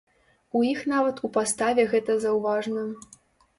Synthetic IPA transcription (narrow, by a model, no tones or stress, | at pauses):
ujixnavɐt̪upast̪avʲɛɣɛt̪ɐzɐwvaʐnɐ